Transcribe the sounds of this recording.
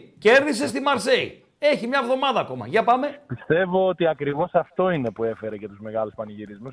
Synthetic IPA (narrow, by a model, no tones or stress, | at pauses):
ce̞ɾðise̞st̪imɐɾse̞ḭ | e̞çimɲɐevðo̞mɐðɐːko̞mɐ̰ʝɐpɐme̞pist̪e̞vo̞ot̪iɐkɾivo̞sɐft̪o̞ine̞pue̞fe̞ɾece̞t̪uzme̞ɣɐluspɐniʝiɾizmus